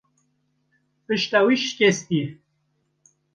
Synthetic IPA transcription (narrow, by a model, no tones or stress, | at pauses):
pɨʃt̪awiʃkʲest̪i